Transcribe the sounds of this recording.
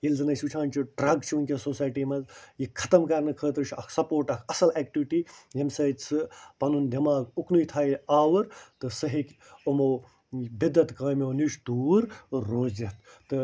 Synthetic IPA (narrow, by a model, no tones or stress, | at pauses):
ilzɨnɐsʲut͡ʃʰaːnʲt͡ʃʰiɖɾɐɡt͡ʃʰiunkʲesoːsaːjʈimɐzjikʰɐ̥t̪ɐmkɐɾnɨkʰəːt̪ɨɾt͡ʃʰɐ̰kʰsɐpoːɾʈɐkʰɐsɐlɛːkʈiʋiʈiːjemsɐːt͡sɨpɐnund̪ʱɐmaːɡuknujt̪ʰaːiaːʋɐɾt̪ɨsɐɦikʲ | omow | bid̪ɐt̪kaːmoːniʃd̪uːɾːoːzet̪ | t̪ɨ